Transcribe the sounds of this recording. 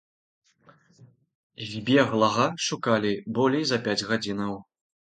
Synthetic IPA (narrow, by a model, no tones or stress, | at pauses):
ɣʲbʲɛɣlˠɐɣɐʂukalʲibɔlʲɛjzɐpʲad͡zʲɣad͡zʲinɐw